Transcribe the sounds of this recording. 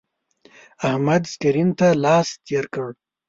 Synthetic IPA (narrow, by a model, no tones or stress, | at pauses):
ahmad̪skiɾint̪alɑːst̪ʰeɾkəɽ